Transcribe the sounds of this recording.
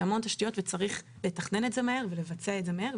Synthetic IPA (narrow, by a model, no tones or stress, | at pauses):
amo̞ntaʃtijo̞tvet͡saʁiχ | le̞taχne̞netzemaheʁvele̞vat͡seaetzemaheʁ